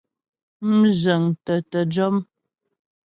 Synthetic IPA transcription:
m̩˦zə˨ŋtə˨tə˨d͡ʒɔ˦m

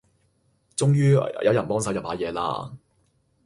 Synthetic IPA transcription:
t͡sʊ˥ŋjyː˥jʔɐ˨˧wjɐ˨˩npɔː˥ŋsɐ˨˥wjɐ˨p̚haː˨˥˩jɛː˨˧la̰ː˧

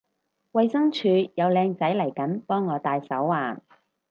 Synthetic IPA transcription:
wɐ˧jsɐ˥ŋt͡ʃʰyː˨˧jɐ˨˧wlɛː˧ŋt͡sɐ˨˥jlɐ˨˩jkɐ˨˥npɔː˥ŋːɔː˨˧t̪aː˧jsɐ˨˥wːaː˨˩n

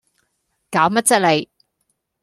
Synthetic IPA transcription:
kaː˨˥wmɐ˥t̚t͡sɐ˥t̚le˨˧j

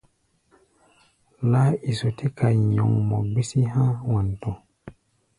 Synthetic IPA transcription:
la˦i˨so˨ti˦ka˨jɲɔ̰˨ŋmɔ˨ɡ͡bi˦si˦ɦã˦wa˨nto˨

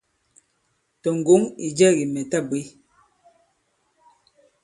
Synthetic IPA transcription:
tɔ˨ŋ̩˨ɡo˨˦ŋi˨d͡ʒɛ˦˨ɣi˨mɛ˨ta˦bwe˨˦

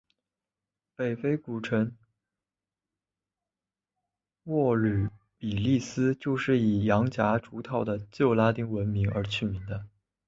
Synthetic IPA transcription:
pe˨˩ɪfe˥ɪku˨˩ʈ͡ʂʰə˧˥ŋ | wɔ˥˩ly˨˩ | pi˨˩li˥˩sɹ̩˥t͡ɕjo˥˧ʊʂɻ̩˥˩i˨˩jɑ˧˥ŋt͡ɕja˧˥ʈ͡ʂu˧˥t̪ʰɑ˨˥˩ʊd̪ə˩t͡ɕjo˥˩ʊla˥t̪i˥ŋwə˧˥nmi˧˥ŋə˞˧˥t͡ɕʰy˥˩mi˧˥ŋd̪ə˧

